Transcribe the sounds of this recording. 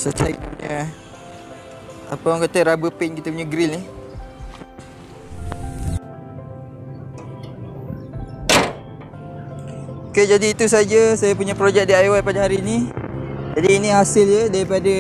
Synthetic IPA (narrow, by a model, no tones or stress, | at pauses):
sət̪ak̚puɲa | apawaŋkat̪əɾabəpɪnkit̪əpuɲaɡɾilni | oked͡ʒadiːt̪us̬ad͡ʒasajapuɲapɾod͡ʒɛk̚diajwat̪padaɦaɾiːni | d͡ʒadiːniɦasɪljədaɾipada